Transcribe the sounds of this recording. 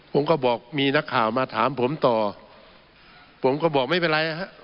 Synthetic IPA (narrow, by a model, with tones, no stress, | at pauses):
pʰo˩˦mkɔː˧˩bɔː˨˩k̚miː˧na˦˥kʰːaː˨˩wmaː˧t̪ʰaː˨˩˦mpʰo˩˦mt̪ɔː˨˩ | pʰo˩˦mkɔː˧˩bɔː˨˩k̚ma˥˩jp̬e˧nɾa˧jʔa˧ɦa˦˥ʔ